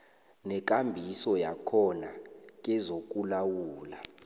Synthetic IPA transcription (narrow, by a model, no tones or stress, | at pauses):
nɛk̬ʼambʱisɔjakʰɔnak̬ʼɛzok̬ʼulawuːla